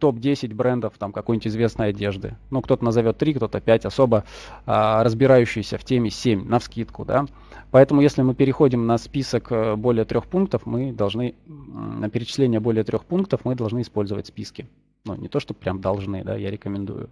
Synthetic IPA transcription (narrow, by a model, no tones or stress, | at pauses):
t̪o̞pdʲesʲɪt̚ʲbɾɛnd̪əft̪amkɐkojnʲɪtʲɪzvʲe̞snəjɐdʲe̞ʐd̪ɨ̰nukt̪o̞t̪ənəzɐvʲo̞t̪ːɾʲikt̪o̞t̪əpʲætʲɐso̞bəərəzbʲɪɾajʉɕːɪjɪsʲəftʲemʲɪsʲemʲnəfskʲit̪kʊd̪a̰ | pɐɛt̪əmʊjesʲlʲɪmɨpʲɪɾʲɪxo̞dʲɪmnɐspʲisəkəbo̞lʲɪjət̪ɾʲo̞xpunk̚t̪əfmɨd̪ɐlˠʐnɨnəpʲɪɾʲɪt͡ɕɪ̥sʲlʲenʲɪjəbo̞lʲɪjət̪ɾʲo̞xpunk̚t̪əfmɨd̪ɐlˠʐnɨɪspo̞lʲzəvə̰tʲspʲiskʲɪ | nṵnʲʔɪt̪o̞ʂt̪opɾʲamd̪ɐlˠʐnɨ̰d̪a̰jaɾʲɪkəmʲɪnd̪ṵjʊ̰